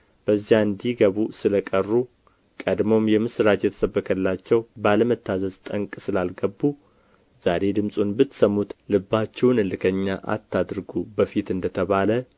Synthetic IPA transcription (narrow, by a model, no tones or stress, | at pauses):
b̥əzːijaɨnd̪iɡəβusɨləkʼərːu | kʼəd̪mo̞mjɛmɨsɾat̪jɛt̪ʰə̥səbːəkʰəlːat͡ʃːɛwbaləmət̪ʰːazəzt̪ʼəŋkʼsɨlalɡəbːu | z̥aɾe̞d̪ɨmsʼunbɨt̪ːsəmːut̪lɨbːat͡ʃːɛwnɨlɨkʰəɲːaʔa̰t̪ːad̪ɾɡubəfit̪ɨnd̪ət̪ʰəβalə